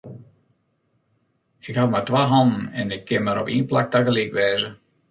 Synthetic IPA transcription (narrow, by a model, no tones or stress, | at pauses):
ɪkhatmatʋaɦɔnn̩ɛnɪkʰːɪnmaɾɔ̰pḭːnplak̚taɣəliːkʋɛːzə